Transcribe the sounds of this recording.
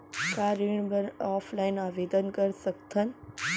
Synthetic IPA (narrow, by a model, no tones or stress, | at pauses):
kaːɾiɳ̃bəɾaːfʰlaɪnaːʋeːd̪ənkəɾsək̚t̪ʰən